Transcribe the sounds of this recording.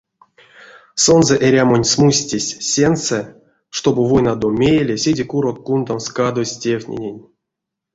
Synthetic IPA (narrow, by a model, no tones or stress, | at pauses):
so̞nzɛʔeɾʲamonʲsmusʲtʲesʲsʲensɛ | ʂt̪o̞bɨvojnad̪omʲejelʲesʲedʲekuɾok̚ːund̪amskad̪osʲtʲewʲtʲnʲḛnʲenʲ